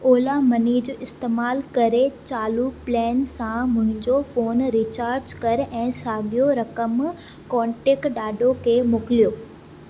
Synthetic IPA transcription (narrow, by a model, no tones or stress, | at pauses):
oːlamɐniːd͡ʑɪst̪eːmaːlkɐɾet͡ɕaːluplɛːnsãmʊ̃ɦɪ̃ɲd͡ʑofoːnɾiːt͡ɕaːɾd͡ʑkɐɾʔɛ̃ːsaːɠijoɾɐkəm | kɔːɳʈeːkʈɗaːɗʱokʰeːmʊkɪlijoː